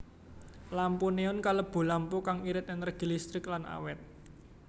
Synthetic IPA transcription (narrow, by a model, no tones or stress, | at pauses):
lampuneʊnkaləb̥ṳlampukaŋiɾɪt̪ɛnrəɡ̥i̤list̪ɾɪklana̰wɛt̪̚